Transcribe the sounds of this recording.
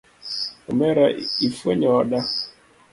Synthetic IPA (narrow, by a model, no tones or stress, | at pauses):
umɛɾaifwɛɲaɔɗa